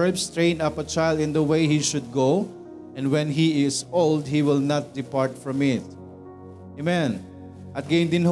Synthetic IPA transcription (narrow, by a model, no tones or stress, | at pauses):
lpst̪ɹẽɪ̃nʌpɐt͡ʃajlˠd̪ɪ̃nd̪əweɪhiʃʊd̪̚ɡoʊ | ɛ̃nwɛ̃nɦiɪsoʊld̪̚hiwɪlnat̪̚d̪ɪpaɹt̪fɹɔ̃mɪt̪̚ | emɛ̃n | ʔɐt̪̚ɡẽɪnd̪ɪ̃nɦ